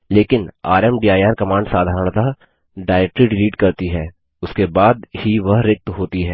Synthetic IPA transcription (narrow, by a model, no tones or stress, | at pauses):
leːkɪna̰ːɾɛmɖiːaːjaːɾkɐmãːɳɖsaːd̪ʱaːɾəɳt̪a | ɖaːɪɾɛːk̚ʈɾiɖɪliːʈkɐɾt̪iɦɛː | ʊskebaːd̪hiʋɐɦɾɪk̚t̪ɦoːt̪iɦɛː